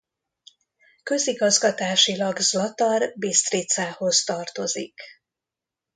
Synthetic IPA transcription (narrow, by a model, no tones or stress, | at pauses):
kø̞ziɡɒzɡɒt̪aːʃilɒɡzɒt̪ɒrbist̪rit̪saːho̞st̪ɒrt̪o̞zik